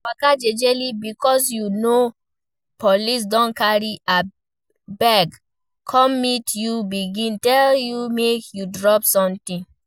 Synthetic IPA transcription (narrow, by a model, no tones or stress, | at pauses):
wakad͡ʒed͡ʒelibikɔs̬juno | pɔlis̬dɔ̃nkaɹiʔa | bɛɡ | kʰɔmmitjubiɡĩntɛljumekjudɹɔpsɔ̃mtĩn